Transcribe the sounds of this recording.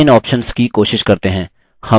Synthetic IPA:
ɪnɔːpʃənskikoːʃɪʃkɐɾt̪eɦɛ̃ː | hɐ

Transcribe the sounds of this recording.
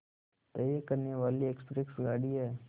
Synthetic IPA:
t̪əjəkəɾnjəʋaːliekspɾeksɡaːɽiɦeː

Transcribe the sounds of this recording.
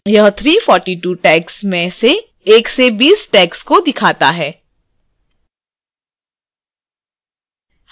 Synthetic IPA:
jɐɦt̪ʰɾiːfɔːɾʈiʈuːʈɛːksmẽse | eːksebiːsʈɛːkskod̪ɪkʰaːt̪aɦɛː

